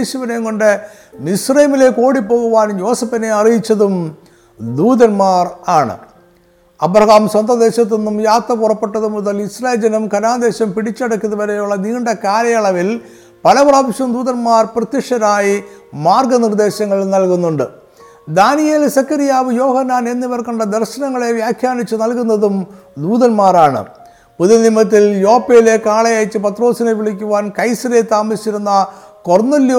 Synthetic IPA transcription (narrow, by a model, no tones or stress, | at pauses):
ɕuʋɐneŋkoɳɖɨ | nisrɐjɐmile̞ko̞ːɽipːo̞ːɣuʋaːnjo̞ːsɐpːɐne̞ɐrijit͡ɕːɐðum | d̪uːðɐnmaːraːɳɨ̰ | ɐbɾɐɣaːmswɐnd̪ɐd̪e̞ːɕɐt̪̬ːinːumjaːt̪ːɐpurɐpːe̞ʈːɐðumuðɐlisreːld͡ʑɐnɐmkɐnaːd̪e̞ːɕɐmpiɽit͡ɕːɐɽɐkːɐðɐʋɐɾejuɭːɐniːɳɖɐkaːɾɐjɐɭɐʋil | pɐlɐpraːmɐɕɐmd̪uːðɐnmaːrprɐt̪jɐʂɐɾaːjimaːrɡɐnird̪e̞ːɕɐŋːɐɭnɐlkunːuɳɖɨ | d̪aːnijeːlsɐkːɐɾijaːʋɨjo̞ːhɐnːaːnenːiʋɐrkɐɳɖɐd̪ɐrɕɐnɐŋːɐɭe̞ʋjaːkʰjaːɳit͡ɕːɨnɐlkunːɐðum | d̪uːðɐnmaːraːɳɨ̰ | puðɐnimːɐt̪̬ːiljo̞ːpːejile̞kːaːɭɐjajit͡ɕːɨpɐt̪ro̞ːsineʋiɭikʲːuʋaːnkɐjsɐɾet̪ːaːmɐsit͡ɕːiɾunːɐ | kornɐlj